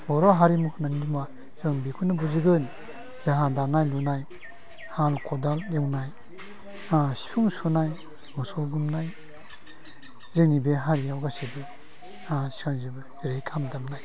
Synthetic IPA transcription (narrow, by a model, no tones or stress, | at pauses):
bɔɾaɦaɾimukʰɯnanidima | z̥ɯŋbikʰunɯbuzɯɡɯn | zaɦadanajlunaj | halkʰɔdaldewnaj | asi̥pʰuŋsunaj | mɔsɔwɡumnaj | zɯnibeɦaɾiawɡasebɯ | asi̥anzɯbɯziɾejkʰamdamnaj